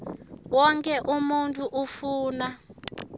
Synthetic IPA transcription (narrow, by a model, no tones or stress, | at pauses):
wɔŋkʰʼɛʔumuntʼuʔufuːna